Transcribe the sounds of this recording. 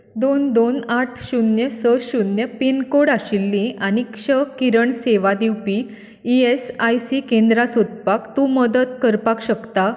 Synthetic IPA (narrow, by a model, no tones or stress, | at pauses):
d̪ond̪onaʈʰɕunjəsəɕunjəpinkoɽaɕilːĩʔanikɕəkiɾəɳseʋad̪iwpi | iesajsikẽnd̪ɾasud̪̚pakt̪uməd̪ət̪kəɾpakɕəkt̪a